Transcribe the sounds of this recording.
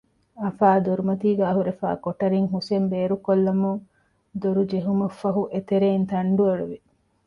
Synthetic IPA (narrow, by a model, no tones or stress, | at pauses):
ɐfaːd̪oɾumɐt̪iːɡæːɦuɾefa̰ːkoʈɐɾiŋɦusembeːɾukolːɐmuŋ | d̪oɾud͡ʒeɦumɐfːɐɦuʔet̪eɾeːnt̪ɐɳɖueɭuʋi